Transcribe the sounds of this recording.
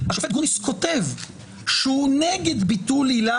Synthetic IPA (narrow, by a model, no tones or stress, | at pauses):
haʃafet̚ɡunisko̞tev | ʃeuneɡed̪bit̪ulila